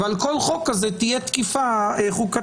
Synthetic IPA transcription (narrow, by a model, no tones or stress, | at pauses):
valko̞lχo̞kːazet̪ijet̪kifaeχuka